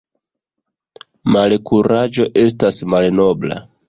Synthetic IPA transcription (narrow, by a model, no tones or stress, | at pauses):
malkuɾad͡ʒo̞ʔe̞s̬tasmalno̞bla̰